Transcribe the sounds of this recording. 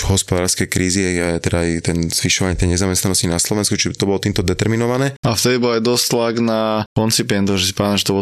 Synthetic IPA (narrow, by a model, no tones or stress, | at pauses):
ɦɔspɔd̪aːɾskɛjkɾiːziaat̪ɛd̪ajt̪ɛnz̥ʋiʃɔʋaɲɛt̪ɛjɲɛzamɛst̪nanɔscinaslɔʋɛnskut͡ʃit̪ɔbɔlɔt̪iːmt̪ɔd̪ɛt̪ɛɾminɔʋanɛːaft̪ɛd̪ibɔlajd̪ɔst̪laɡnakɔnt͡sipɛnt̪ɔʒɛs̬i̥paimʒɛt̪ɔbɔ